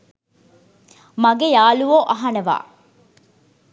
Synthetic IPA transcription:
mɐɡejaːluʋoːʔɐɦɐnɐʋa̰ː

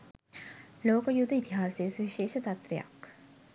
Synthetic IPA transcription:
loːkəjud̪ʱːəit̪iɦaːseːsuʋiʃeːʃət̪at̪ʋeja̰k

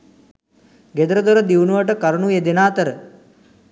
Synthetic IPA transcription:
ɡed̪əɾəd̪oɾəd̪iwnuʋəʈəkaɾənued̪enaːt̪əɾə

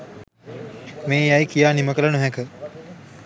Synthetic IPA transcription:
mẽːjaikijaːniməkələɳuɦɛkə

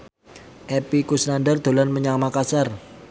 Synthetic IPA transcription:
ʔepikusnandərd̪̥o̤lanməɲamakasar

